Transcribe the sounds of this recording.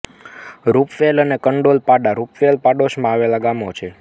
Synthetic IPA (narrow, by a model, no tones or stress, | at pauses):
ɾupʋelənekəɳɖolpaɖaɾupʋelpaɖoʃmãaʋelaɡamot͡ʃʰe